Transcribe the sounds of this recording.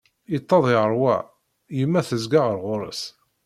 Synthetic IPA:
it̪ˤːɑðˤɪʁəɾˤwæ̰ | jəmːæθəzɡaʁəɾʁʊɾˤə̰s

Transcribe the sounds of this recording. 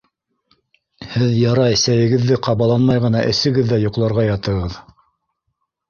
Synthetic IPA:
hɘðjɑɾɑɘsæjɘ̆ɡɘ̆ðːɘqɑβɑlˠɑnmɑjʁɤ̆nɑʔɘ̆sɘ̆ɡɘðːæjŏqlˠɑɾʁɑjɑt̪ɤ̆ʁɤð

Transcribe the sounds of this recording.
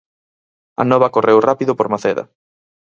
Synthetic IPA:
ɐ̰nɔβɐkorʔewrapiðʊpoɾmaθɛðɐ̰

